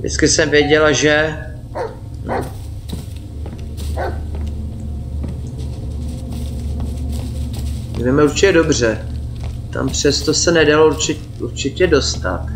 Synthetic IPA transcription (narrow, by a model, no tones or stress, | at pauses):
dɪ̰t͡skɪsɛmvjɛɟɛlaʒɛ | vɛmɛuɾt͡ʃɪcɛdo̞br̝ɛ | t̪a̰mpr̝̥ɛst̪o̞sɛnɛdalouɾt͡ʃɪ | uɾt͡ʃɪcɛdo̞st̪a̰t̪